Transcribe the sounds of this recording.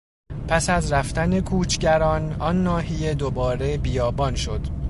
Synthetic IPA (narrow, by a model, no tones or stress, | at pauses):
pʰæsæzɾæft̪æne̞kʰuːt͡ʃʰɟæɾɒːnɒnːɒːhije̞d̪obɒːɾe̞bijɒːbɒnʃo̞d̪̥